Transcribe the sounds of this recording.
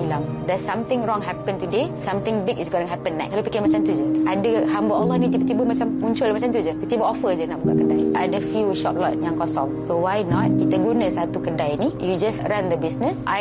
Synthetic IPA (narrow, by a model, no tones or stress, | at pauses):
ilam | d̪ɛsãmt̪ɪ̃ŋɹɔ̃ŋɦɛpə̃nt̪udesãmt̪ɪ̃ŋbiɡisɡonəɦɛpə̃nːaʔ̚kːalopikəmat͡ʃant̪ud͡ʒəʔadəɦambəlɔlːɔhnĩt̪ibət̪ibəmat͡ʃammũɲt͡ʃʊlmat͡ʃamt̪ud͡ʒəkit̪ibəʔɔfəd͡ʒənaʔbuka̰ʔkədajʔadəfjuʃɔ̰p̚lɔt̚jãŋkɔsɔ̃ŋsowajnɔt̚kit̪əɡunə̃sat̪ukədajinĩjud͡ʒasɹãnd̪əbisnəsʔa